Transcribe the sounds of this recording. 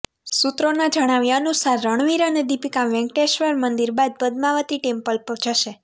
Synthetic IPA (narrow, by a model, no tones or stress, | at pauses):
sut̪ɾonad͡ʒəɽ̃aʋjaənusaɾːəɳ̃ʋiɾəned̪ipikaʋɛ̃ŋkʈeʃʋəɾmənd̪iɾbad̪̚bəd̪maʋət̪iʈempəlpəɾd͡ʒəʃe